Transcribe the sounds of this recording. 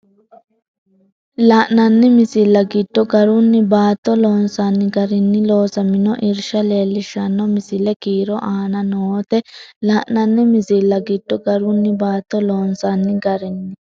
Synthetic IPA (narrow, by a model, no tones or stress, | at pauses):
laːʔnɐnːɪmɪsilːɐɡɪd̥ːɔɡɐɾʊnːɪbaːt̪ːɔloːnsanːɪɡɐɾɪnːɪloːsɐmɪnɔʔɪɾʃɐle̞ːlːɪʃːɐnːɔmɪsɪlɛkiːɾɔʔaːnɐnoːt̪ɛlaːʔnɐnːɛmɪzilːɐɡɪd̥ːɔɡɐɾʊnːɪbaːt̪ːɔloːnsanːɪɡɐɾɪnːɪ